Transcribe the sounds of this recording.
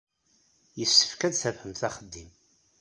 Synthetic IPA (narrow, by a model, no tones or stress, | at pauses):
jəsːə̥fkæd̪θævhəmθæχəd̪ːim